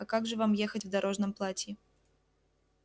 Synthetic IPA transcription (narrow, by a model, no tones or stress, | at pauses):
ɐkaɡʐɨvamjexɐtʲvd̪aɾoʐnɐmplˠatʲɪ